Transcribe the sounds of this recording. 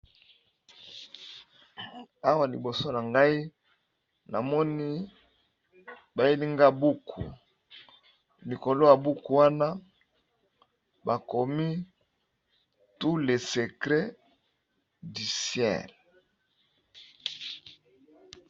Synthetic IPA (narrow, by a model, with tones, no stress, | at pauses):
a˦wa˨lḭ˨bo˨so˦na˨ŋɡa˦i˦ | na˨mɔ˦ni˦ | ba˨je˦li˦ŋɡa˦bu˦kʰṵ˨ | li˨ko˨lo˦ja˨bu˦ku˨wa˦na˦ | ba˨ko˨mi˦ | tu˦le˨se˨kʁe˦ | di˨sjɛ̰˦˨l